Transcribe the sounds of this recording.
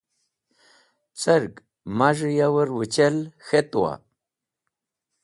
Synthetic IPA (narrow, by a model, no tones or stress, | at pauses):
t͡səɾɡ | maʐjawəɾwət͡ɕelxet̪wa̰